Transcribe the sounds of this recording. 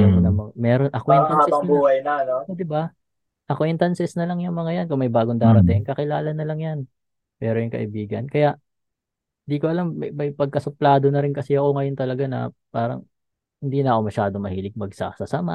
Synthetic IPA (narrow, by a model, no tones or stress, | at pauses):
ɐknɐmɐŋamɛɾonʔɐkont̪ɐasɛɐɐbuːhɐjnɐnood̪ɪba | ʔɐkoint̪ɐnsɛsnɐlɐŋjʊŋmɐŋajankʊŋmɐjbaːɡoŋd̪aːɾɐt̪ɛɐnkɐkɪlaːlɐnːɐlɐŋjan | mɛːɾojʊŋkɐ̰ʔɪbiːɡɐnkɐjaʔ | hɪnd̪iːko̞ʔɐlamːɐjmɐjpɐɡ̚kɐsʊplaːd̪o̞nɐɾɪnkɐsɛɐko̞ŋɐjont̪ɐlɐɡanɐ̰paːɾɐ̰ŋ | hɪnd̪iːnɐʔɐko̞mɐʃaːd̪omɐhiːlɪɡ̚mɐɡsɐ̰sɐsama̰